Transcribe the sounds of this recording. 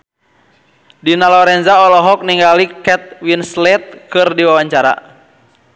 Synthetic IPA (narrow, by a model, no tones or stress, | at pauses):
dinalɔɾɛnzaɔlɔɦɔk̚niŋɡalikɛt̪̚winslɛt̪̚kɨrdiwawaɲt͡ʃaɾa̰